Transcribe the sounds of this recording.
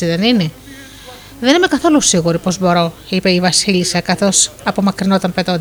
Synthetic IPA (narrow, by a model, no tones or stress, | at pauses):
iðenine | ðenime̞kɐθo̞lusiɣuɾipo̞zbo̞ɾo̞ipeivɐsilisɐkɐθo̞sɐpo̞mɐkɾinot̪ɐmpe̞t̪o̞nd̪